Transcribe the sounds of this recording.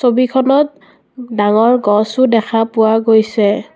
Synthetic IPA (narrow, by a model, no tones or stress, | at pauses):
sobikʰɔnɔt̚ | daŋɔɹɡɔsʊdɛkʰapʊwaɡojsɛ